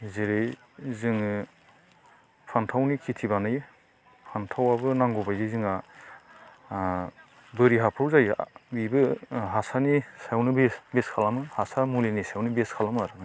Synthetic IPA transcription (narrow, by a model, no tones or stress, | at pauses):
zeɾɯj | zɯŋ | pʰantʰawnikʰitʰibanɯj | pʰantʰawabɯnaŋɡɔbajzɯzɯŋa | bɯɾiɦapʰɯwzaj̰bibɯɦasanisawnɯbesbeskʰalamɯhasamulinisawnibeskʰalamaɾɯ